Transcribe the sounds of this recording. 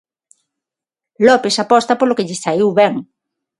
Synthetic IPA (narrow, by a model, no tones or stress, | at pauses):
lɔpesapɔst̪ɐpolokeʎɪstaiwβɛŋ